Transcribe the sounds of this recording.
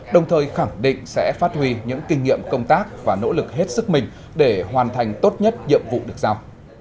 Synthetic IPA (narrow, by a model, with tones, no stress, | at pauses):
ɗə˨˩wŋ͡mt̪ʰəː˨˩jxa˧˩ŋɗḭ̈˧˨ŋ̟sɛ̰˧˥faː˦˥t̚hwi˧ɲɨ̰˧˥ŋkï˧ŋ̟ŋḭ˧˨əmkə˧wŋ͡mt̪aː˦˥k̚vaː˨˩no̰˧˥lɨ˨˩k̚ɦe˦˥t̚sɨ˦˥k̚mï˨˩ŋ̟ | ɗe˧˩hwaː˨˩nt̪ʰa˨˩jŋ̟t̪o˦˥t̚ɲə˦˥t̚ɲḭ˧˨əmvṵ˧˨ɗɨ˨˩ək̚zaː˧w